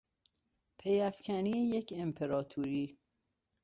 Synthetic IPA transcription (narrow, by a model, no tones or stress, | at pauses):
pʰejæfcʰæniejecʰe̞mpʰe̞ɾɒːt̪ʰuːɾiː